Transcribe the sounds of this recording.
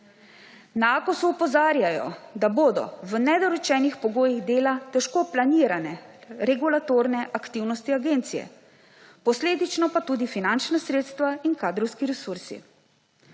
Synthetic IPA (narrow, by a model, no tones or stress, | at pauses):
naakɔsuːpɔzaːɾjajɔ̰d̪aboːd̪ɔ̰ʋənɛd̪ɔɾɔt͡ʃɛːnixpɔɡoːjiɣd̪eːlat̪ɛʃkoːplaniːɾanɛɾɛɡulat̪oːɾnɛʔakt̪iwnɔst̪iaɡeːnt̪sijɛ̰ | pɔsleːd̪it͡ʃnɔpat̪uːd̪ifinant͡ʃnasɾeːt̪st̪ʋainkaːd̪ɾɔwskiɾɛsuɾsḭ